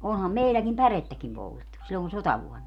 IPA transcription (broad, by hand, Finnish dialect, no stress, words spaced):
oːnhɑm meilːækim pæretːækim poltetːu silːon sotɑʋuɔnːɑ